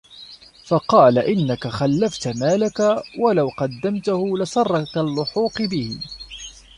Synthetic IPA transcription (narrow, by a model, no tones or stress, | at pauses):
fɑqɑːlaʔɪnːakaxalːaft̪maːlakawalawqɑd̪ːamt̪ʊhʊlɪsˤɑrˤːɑkalːʊħuːqɨbɪhɪ̰